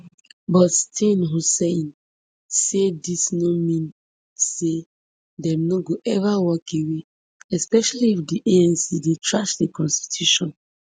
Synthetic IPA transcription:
bɔtstʰĩnɦoseĩn | sedisnomĩn | se | dɛ̃mnoɡoʔɛvawɔkewe | ɛspɛʃaliifdiʔeɛ̃nsidetɹaʃdekɔ̃nsti̥tʰjuʃɔ̃n

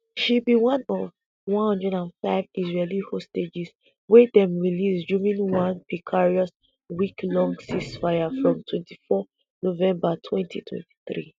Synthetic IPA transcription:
ʃibiwɔ̃nɔv | wɔ̃nhʌ̃ndɹɛdãnfaɪvisɹelihosted͡ʒis | wɛdɛ̃mɹilisd͡ʒumĩnwãnpikʰaɹiɔs | wiklɔ̃ŋsisfajafɹɔ̃mtʰwɛ̃ntʰifɔ | novɛ̃mbatʰwɛ̃ntʰḭtʰwɛ̰̃nti̥θɹḭ

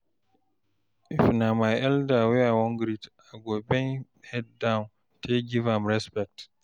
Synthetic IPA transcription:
ifnamajɛldaweawɔ̃ŋɡɾit | aɡɔbɛn | hɛddãwn | tʰeɡivãmɾɛspɛk̚t

